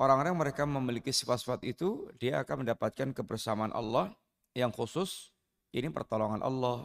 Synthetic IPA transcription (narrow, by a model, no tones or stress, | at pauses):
ʔoɾaŋoɾajaŋməɾekaməmilikisi̥fat̪sufat̪it̪udiaakanməndapat̪̚kankəbərsamaa̰nʔɑ̰lːɔh | jaŋxusʊs | ʔinipə̰rt̪ɔloŋanʔɑ̰lːɔh